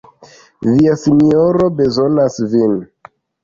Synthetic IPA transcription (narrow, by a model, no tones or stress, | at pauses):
viasinioɾo̞be̞zo̞nasvin